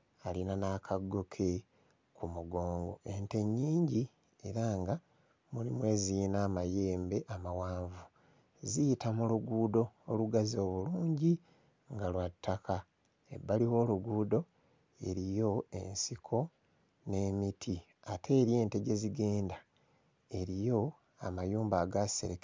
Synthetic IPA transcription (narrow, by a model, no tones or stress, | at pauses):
alinanaːkʰaɡːo̞kʰe̞ | kumuɡo̞ːŋɡo̞̰ʔe̞nte̞ɲːiːɲɟi | e̞ɾaŋɡa | mulimwe̞ːzinaːmaje̞ːmbe̞ʔamawaːɱvu | zijitamuluɡuːdo̞ːluɡazio̞ːβuluːɲɟi | ŋɡalwatːaka | e̞̰bːaliwo̞ːluɡuːdo̞ | e̞̰ɾijo̞e̞̰nsikʰo̞ | ne̞mitʰi | atʰe̞ːɾje̞ːnte̞ɟe̞ziɡe̞ːnda | e̞ɾijo̞ | amajuːmbaːɡasḛɾeke